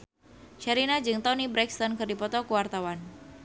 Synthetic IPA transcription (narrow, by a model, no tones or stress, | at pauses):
ʃaɾinad͡ʒɨŋt̪ɔnibɾɛkst̪ɔnkɨrdipɔt̪ɔkuwart̪awan